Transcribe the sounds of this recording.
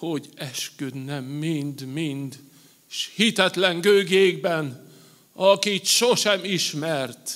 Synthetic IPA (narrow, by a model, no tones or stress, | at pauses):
ho̞ɟɛʃkød̪nɛmːind̪mind̪ | ʃhit̪ɛt̪lɛŋɡøːɡeːɡbɛn | ɒkit̪ʃoʃɛmiʃmɛrt̪